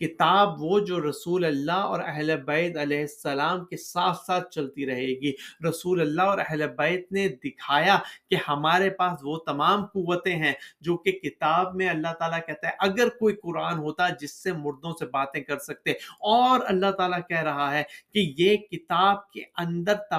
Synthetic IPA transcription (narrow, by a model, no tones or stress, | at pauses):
kɪt̪aːbʋod͡ʒoːɾɐsuːlɐlːaɔ̰ːɾɛɦlebɛɪd̪ɐlɛːɦɪsːɐlaːmkesaːt̪ʰsaːt̪̚ʰt͡ʃɐlt̪iɾɐɦeːɡiːɾɐsuːlɐlːaɔːɾɛɦlebɛɪd̪̚ned̪ɪkʰaːjakehɐmaːɾepaːsʋot̪ɐmaːmquʋːət̪ẽɦɛ̃d͡ʒoːkekɪt̪aːbmẽɐlːaɦt̪aːlakɛɦt̪aɦɛʔɐɡəɾkoːikʊɾaːnɦoːt̪ad͡ʒɪsːemʊɾd̪õsebaːt̪ẽkɐɾsɐk̚t̪eɔːɾɐ̰lːaɦt̪aːlakɛɦɾɐɦaɦɛːkijekɪt̪aːb̚kḛɐ̃nd̪əɾt̪ɐ